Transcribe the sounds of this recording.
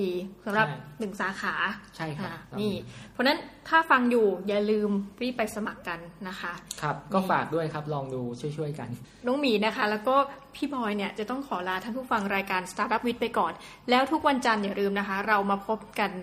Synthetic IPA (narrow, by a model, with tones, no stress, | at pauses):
diː˧sa˩˦mɾa˨nɯ˨˩ŋsaː˩˦kʰaː˩˦t͡ɕʰa˥˩jkʰʔaː˧˩niː˥˩˥pʰɔ˧˥na˦˥nt̪ʰaː˥˩fa˧ŋjuː˨˩jaː˨˩lɯː˧mɾiː˥˩pːa˧jsa˧ma˨˩kːa˧nːa˦˥xʰa˦˥kʰa˦˥p̚kɔː˥˩faː˨˩k̚du˥˩əjkʰa˦˥p̚lɔː˧ŋduː˧t͡ɕʰu˥˩əjt͡ɕʰu˥˩əjka̰˧n | nɔ˨˦˥ŋmiː˩˦na˦˥kʰa˦˥lɛː˦˥wkɔː˥˩pʰiː˥˩bʰɔː˧jni˥˩ɐt͡ɕa˨˩t̪ɔ˥˩ŋkʰɔː˩˦laː˧t̪ʰaː˥˩ŋt̪ʰu˦˥˩fa˧ŋɾaː˧jkaː˧nst̪ʰaː˧˩ta˦˥p̚wi˦˥t̪̚pa˧jkɔː˨˩n | lɛː˦˥wt̪ʰu˦˥k̚wa˧nt͡ɕa˧njaː˨˩ɾɯː˧mna˦˥kʰa˦˥ɾa˧wmaː˧pʰo˦˥p̚ka˧n